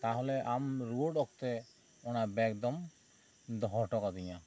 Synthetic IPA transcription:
t̪aɦɔlɛʔamɾuoɖɔk̚t̪ɛ | ɔnabɛkd̪ɔm | d̪ɔɦɔʈɔkad̪iɲa

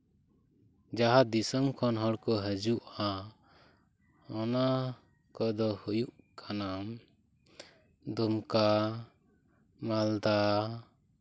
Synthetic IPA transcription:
d͡ʒaɦad̪isɔmkʰɔnɦɔɽkɔɦəd͡ʒuʔa | ɔna | kɔd̪ɔhujuʔkʰanam | d̪ɔmka | mald̪a

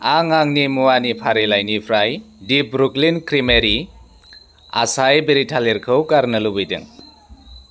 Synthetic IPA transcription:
aŋaŋnimuwanipʰaɾelajnipʰɾaj | dip̚ɾuklinkɾimeɾi | a̰sajbeɾitʰaleɾkʰɯwkaɾnɯlubijdɯ̰ŋ

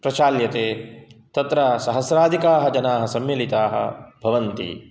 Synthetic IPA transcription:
pɾɐt͡ʃaːljɐt̪eːt̪ɐt̪ɾɐsɐɦɐsɾaːd̪ʱikaːɦɐd͡ʒɐnaːɦɐsɐmjilit̪aːɦɐ̰bʱɐʋɐnt̪ḭ

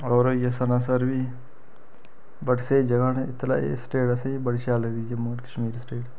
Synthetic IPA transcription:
ɔːɾjesɐnaːsɐɾbʱi | bɐɽsed͡ʒɐɡanɪt̪la̰ːḛsʈeːʈɐseibɐɽʃaːlɐd̪id͡ʒeməɡʈkɐ̥ʃmiːɾsʈeːʈ

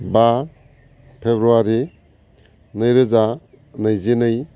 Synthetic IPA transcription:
ba | pʰebɾuaɾi | nɯjɾɯza | nɯjzenɯj

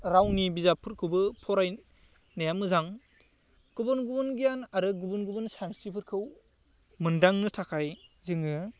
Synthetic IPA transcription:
ɾawnibizapʰɯɾkʰɯwbɯpʰɔɾaj | najamɯzaŋ | ɡ̥ubɯnɡubɯnɡijanaɾɯɡubɯnɡubɯnsamstipʰɯɾkʰɯw | mɯndaŋnɯtʰakʰajzɯŋɯ

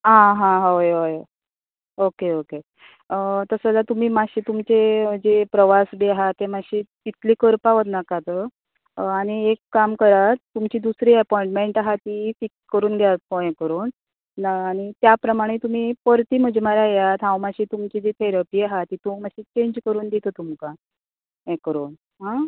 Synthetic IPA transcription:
ɦãɦãɦoɦoj | okeoke | t̪əsəlat̪um̤iːmaɕiːt̪umt͡ɕed͡ʑepɾəʋasbiaɦat̪ːemaɕiːt̪it̪liːkəɾpaʋət̪nakat̪ə | aɽ̃iekːamkəɾat̪ːumt͡ɕiːd̪usɾiːəpɔĩɳʈmeɳʈaɦat̪ifikskəɾuːnɡʱjat̪̚koɦɛ̃kəɾuːnː | ɽ̃it̪japɾəmaɽ̃et̪um̤iːpəɾt̪iːm̤əd͡ʑmaɾjajat̪ɦãwmaɕiːt̪umt͡ɕid͡ʑet̪ʰeɾapiːaɦat̪ːit̪umaɕiːt͡ɕeɲd͡ʑkəɾuːnd̪et̪ət̪umka | ɦɛkəɾuːn | ɦã

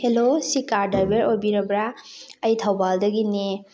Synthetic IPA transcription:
helosikaɾdɐɾbeɾobiɾɐbɾaəjtʰɐwbaldɐɡine

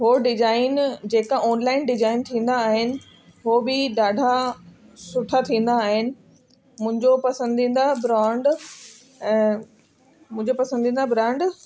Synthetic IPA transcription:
ɦoɖɪd͡ʑaːɪnd͡ʑeːkaʔɔːnlaːɪnɖɪd͡ʑaːɪnt̪ʰĩːn̆d̪aːɦɪnɪ̆ | ɦobɪɗaːɖʱa | sʊʈʰat̪ʰĩːn̆d̪aːɦɪnɪ̆ | mʊ̃ɦɪ̃ɲd͡ʑopɐsə̃nd̪ʱĩːn̆d̪abɾãːɳɖ | ɛ̃ː | mʊ̃ɦɪ̃ɲd͡ʑopɐsə̃nd̪ʱĩːnd̪abɾãːɳɖ

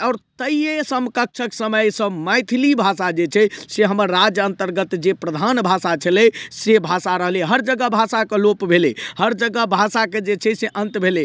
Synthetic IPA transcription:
ɔːɾt̪əiesəmkək̚t͡ʃʰəksəməjsə̃majt̪ʰilibʱasad͡ʒet͡ʃʰɛseɦəməɾːad͡ʒjənt̪əɾɡət̪d͡ʒepɾəd̪ʱanbʱasat͡ʃʰəlɛsebʱasaɾəɦəlɛɦəɾd͡ʒəɡəbʱasakelopbʱelehəɾd͡ʒəɡəbʱasaked͡ʒet͡ʃʰɛseʔənt̪bʱele

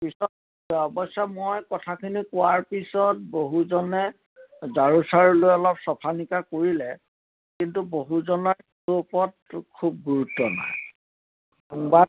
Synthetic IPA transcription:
pisɔt̚ | ɔbɔsamojkɔtʰakʰinikʊwaɹpisɔt̚boɦuzɔnɛ | zaɹusaɹɔlojɔlɔpsɔpʰanikakoɹilɛ | kintuboɦuzɔnɔ | opɔt̚kʰub̚ɡuɹutːɔna̰j | ba

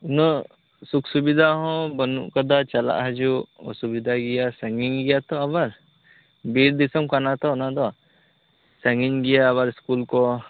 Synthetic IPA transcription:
unɔ | suksubid̪ʱaɦɔ̃bɔnṵʔkad̪at͡ʃala̰ʔɦad͡ʒuɔ̰subid̪ʱaɡijasɛŋɡiŋɡijat̪ɔaβaɾ | biɾd̪isɔmkanat̪ɔnad̪ɔ | sɛŋɡiŋɡijaːβaɾiskulkɔ

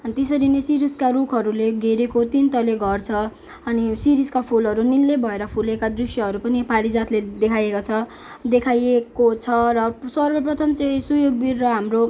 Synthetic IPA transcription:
t̪esʌɾinesiɾiskarukʰʌɾuleɡeɾekot̪int̪ʌleɡʱʌrt͡sʰʌ | ʌnisiɾiskapʰulɦʌɾunilːebʱʌeɾʌpʰulekad̪risjʌɦʌɾupʌnipalid͡zat̪led̪ekʰajekot͡sʰʌ | d̪ekʰajekot͡sʰʌrʌsʌrbʌprʌt̪ʰʌmt͡sʌ̃ĩsujoɡ̚birːʌɦamro

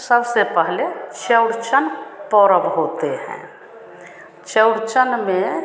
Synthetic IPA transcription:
səbsepɛɦlet͡ʃəɽt͡ʃənpɔːɾəbɦoːt̪eɦɛ̰̃ | t͡ʃəʊɽt͡ʃənmẽ

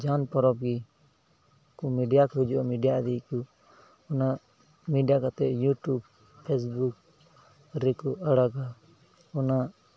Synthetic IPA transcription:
d͡ʒanpɔɾɔp̚ɡi | kɔmiɖijakɔud͡ʒuʔɔmiɖijad̪iku | ɔna | miɖijakat̪ɛʔjuʈjub | pʰːɛs̬buk̚ | ɾɛkɔəɽaɡa | ɔna

